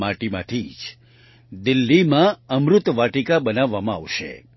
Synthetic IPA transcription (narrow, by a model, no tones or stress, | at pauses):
maʈimã̰t̪ʰid͡ʒ | d̪ɪlːimãəmɾʊt̪ʋaʈikabənaʋːamãa̰ʋʃḛ